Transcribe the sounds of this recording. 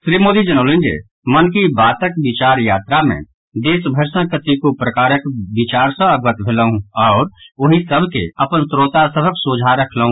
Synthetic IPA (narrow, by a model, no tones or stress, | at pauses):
ʃɾiːmoːd̪id͡ʒənoːlɪ̃nd͡ʒḛː | mənkibaːt̪əkbɪt͡ʃaːɾjaːt̪ɾamḛ̃ | d̪eːsbʱəɾsə̃kət̪ikopɾəkaːɾəkbɪt͡ʃaːɾsə̃əɡət̪bʱɪləɦũɔːɾʊɦĩsəbʱkḛɐpənt̪ɾoːt̪asəbʱəksoːd͡ʒʱaɾəkʰləɦũ